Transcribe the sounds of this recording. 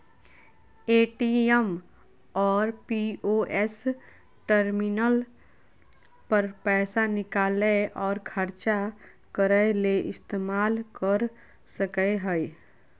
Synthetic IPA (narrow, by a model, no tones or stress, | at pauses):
eːʈiɛm | ɔːɾpioʔɛs | ʈəɾminəl | pəɾpɛːsanɪkaːləʔɔːɾkʰəɾt͡ʃa | kəɾəjleʔɪst̪eːmaːlkəɾ | səkəɦəj